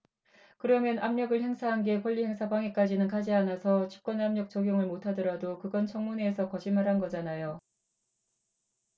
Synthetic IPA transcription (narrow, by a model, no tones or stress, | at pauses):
kɯɾʌmjʌnʔamɲʌɡɯɭhe̞ŋsʰaɦanɡe̞kwʌʎːihe̞ŋsʰabaŋek͈ad͡ʑinɯnkad͡ʑianasʰʌt͡ɕʰi̥p̚k͈wʌnamɲʌk̚t͡ɕ͈ʌɡjoŋɯɭmotʰadʌɾadokɯɡʌnt͡ɕʰʌŋmuneːsʰʌkʌɕʰimaɾɦanɡʌd͡ʑanajo